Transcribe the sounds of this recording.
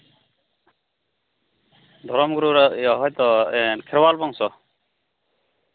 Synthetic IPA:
d̪ʱɔɾɔmɡuɾuɾɔɦɔjt̪ɔɛnkʰɛɾwalbɔŋsɔ

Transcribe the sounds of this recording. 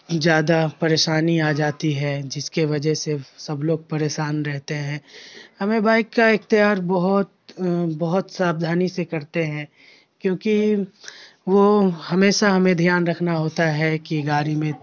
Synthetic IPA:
zjaːd̪apɐɾeːʃaːniaːd͡ʒaːt̪iɦɛd͡ʒɪskeʋɐd͡ʒəɦsesɐbloːɡ̚pɐɾeːʃaːnɾɛɦt̪eɦɛ̃ːhɐmẽbaːɪkːaɪkt̪ijaːɾbɐɦʊt̪bɐɦʊt̪saːbd̪ʱaːnisekɐɾt̪eɦɛ̃ː | kjõːki | ʋohɐmeːʃaɦɐmẽd̪ʱjaːnɾɐkʰnaɦoːt̪aɦɛkiɡaːɾimẽ

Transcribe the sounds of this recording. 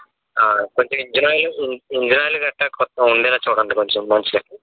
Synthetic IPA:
aːko̞ɲt͡ʃomiɲd͡ʒinaːjluiɲd͡ʒinaːjluɡɐʈːakɔt̪ːɐuɳɖɛːlaːt͡ʃuːɽɐɳɖikoɲt͡ʃomːɐnt͡ʃii

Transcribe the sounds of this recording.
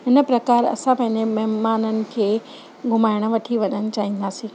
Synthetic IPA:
ɦɪnə̆pɾɐkaːɾɐ̰sãpɐ̃ɦɪ̃ɲd͡ʑemɐɦmaːnənɪ̆kʰeː | ɡʱʊmaːɪɽ̃̆ʋɐʈʰiʋɐɲənɪ̆t͡ɕaːɦĩnd̪aːsĩː

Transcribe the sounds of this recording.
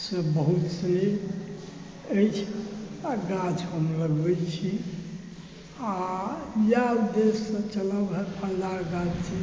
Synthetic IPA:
səbəɦut̪se | əjt͡ʃʰ | ɡad͡ʒɦəmləɡbɛt͡ʃʰi | ajaud̪esːə̃t͡ʃələbɦɛpʰə̃d̪aɡad͡ʒt͡ʃʰi

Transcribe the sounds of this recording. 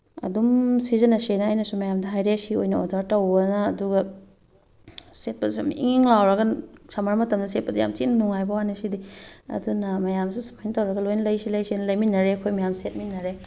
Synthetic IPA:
ɐ̰dumsizɐnɐsenɐːjnɐsumɐjamdɐɦajɾesiojnɐo̰daɾtɐwbɐnɐːduɡɐ | set̚pɐsumiŋŋlawɾɐɡɐsʰɐmaɾmɐtɐmdɐset̚pɐdɐja̰mt͡ʃiʔnɐnuŋajbɐwanisidiɐ̰dunɐmɐjamsusu̥pʰajnɐtɐwɾɐɡɐlojnɐlɐjsilɐjsinɐlɐjminːɐɾeɐkʰojmɐjamset̚minːɐɾe

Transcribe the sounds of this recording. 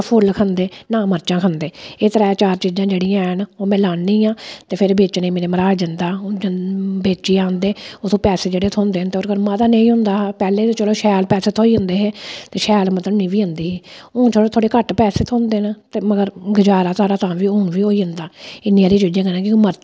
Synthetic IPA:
pʰʊlkʰənd̪eːnãːməɾt͡ʃãːkʰənd̪eːeːt̪əɾaːet͡ʃaːɾt͡ʃiːd͡ʒãːd͡ʒeːɽiːãːnoːmɛ̃ːlaːnniːãːt̪eːpʰɪɾbeːt͡ʃnẽːmeːɾeːməɾaːd͡ʒ̪ɪnd̪aːd͡ʒbeːt͡ʃiːãːnd̪eːot̪ʰõːpɛːseːd͡ʒeːɽeːt̪ʰoːnd̪eːnt̪eoːɾkəɾmat̪aːnẽĩːɦʊ̃nd̪aːpɛːleːt̪eːt͡ʃəloːʃɛːlpɛːseːt̪ʰoːiːɦʊnd̪eːɦeːt̪eːʃɛːlmət̪ləbnĩːʋiːʊ̃nd̪iːɦiːʊːnt͡ʃoɽoːt̪ʰoːɽeːkəʈpɛːseːt̪ʰoːnd̪eːnt̪eːməɡəɾɡɪd͡ʒaːɾaːt̪aːɾaːt̪ãːʋiːʊːnʋiːɦoːiːɦʊ̃nd̪aːɪnːiːãːɾiːt͡ʃiːd͡ʒãːkɛnãːkɪməɾ

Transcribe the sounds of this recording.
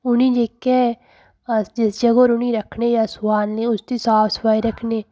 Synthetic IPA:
ʊnĩːd͡ʒeːkːɛ | d͡ʒɪsd͡ʒəɡoːɾʊniːɾəkʰneːjaːsʊaːnlẽːʊst̪iːsaːfspaːiːɾəkʰneː

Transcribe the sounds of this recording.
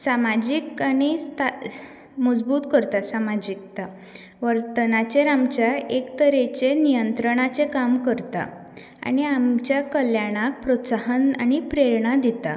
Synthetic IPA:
samad͡ʑikaɽ̃ist̪a | məd͡zbuːt̪kəɾt̪asamad͡ʑik̚t̪a | ʋəɾt̪ənat͡ɕeɾamt͡ɕjaekt̪əɾet͡ɕenijənt̪ɾəɽ̃at͡sekamkəɾt̪a̰ | a̰ɽ̃iamt͡ɕjakəljaɽ̃ak̚pɾɔtsaɦənaɽ̃ipɾeɾɳad̪it̪a̰

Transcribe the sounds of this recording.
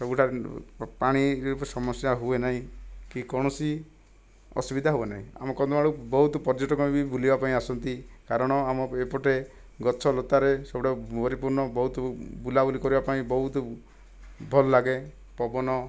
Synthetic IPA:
sɔbuʈʰaɾpaɽ̃iɾɾupɔsɔmɔsjaɦuenaɦĩkikɔɽ̃ɔsi | ɔ̰subid̪ʱaɦuenaɦĩa̰mɔkɔnd̪ɔbaɽubɔɦut̪ɔpɔɾd͡ʒɔʈɔkɔmibibulibapaĩasɔnt̪ikaɾɔɽ̃ɔamɔepɔʈe | ɡɔt͡ʃʰɔlot̪aɾesɔbuʈʰaɔɾipuɾɳɔbɔɦut̪bulabulikɔɾibapaĩbɔɦut̪ɔ | bʱɔlɔlaɡe | pɔbɔnɔ

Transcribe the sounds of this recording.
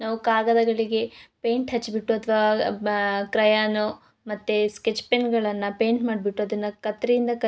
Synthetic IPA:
naːʋukaːɡɐd̪ɐɡɐɭiɡe̞peːɳʈɦɐt͡ʃːbiʈːuɐt̪ʰʋɐʋa | kɾɐjanu | mɐt̪ːesket͡ʃːpenɡɐɭɐnːɐpeːɳʈmaːɖbiʈːuɐd̪ɐnːɐkɐt̪ːɾejind̪ɐkɐ

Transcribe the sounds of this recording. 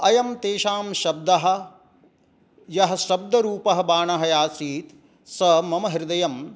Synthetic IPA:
ɐjɐmt̪eːʃaːmʃɐb̚d̪ɐɦɐ̆ | jɐɦɐ̆ʃɐb̚d̪ɐɾuːpɐɦɐbaːɳɐɦɐjaːsiːt̪ | sɐmɐmɐɦiɾɪd̪ɐjɐm

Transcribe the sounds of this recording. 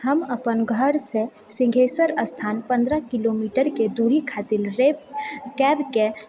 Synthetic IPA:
həməpənɡʱəɾse | sɪ̃ŋɡʱeːswəɾəst̪ʰaːnpə̃nd̪ɾəkilomiːʈəɾked̪uɾikʰaːt̪ɪlɾebkɛbke

